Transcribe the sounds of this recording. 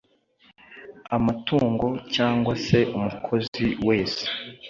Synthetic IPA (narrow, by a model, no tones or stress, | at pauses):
amatuːŋɡo̞caːŋɡwase̞ʔumukʰo̞ziwe̞ːse̥